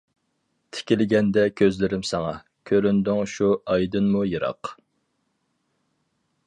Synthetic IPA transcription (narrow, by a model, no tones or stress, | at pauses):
t̪ʰɪ̥kʲilɪɡʲɛnd̪ɛkʲʰøzlɪɾɪmsɛŋɑ | kʲʰøɾynd̪yŋʃuɑjd̪ɨnmujɨɾɑ̰q